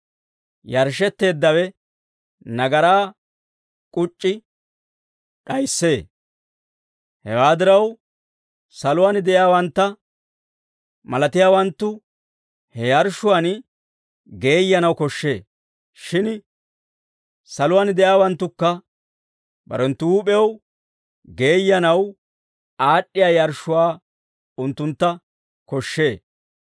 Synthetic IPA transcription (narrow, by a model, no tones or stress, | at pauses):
jɐɾʃɛt̪ːe̞ːd̪ːɐwɛ | nɐɡɐɾaː | kʼʊt͡ʃʼːɪ | ɗɐjsːe̞ː | hɛwaːd̪ɪɾɐw | sɐlʊand̪ɛʔjaːwɐnt̪ːɐ | mɐlɐt̪ɪjaːwɐnt̪ːʊ | hɛjɐɾʃʊan | ɡe̞ːjːɐnɐwkɔʃːe̞ː | ʃɪn | sɐlʊwaːnd̪ɛʔjaːwɐnt̪ːʊkːɐ | bɐ̰ɾɛnt̪ːʊuːpʼɛw | ɡe̞ːjːɐnɐw | aːɗːɪjaːjɐɾʃːʊwaː | ʊnt̪ːʊnt̪ːɐ | kɔʃːe̞ː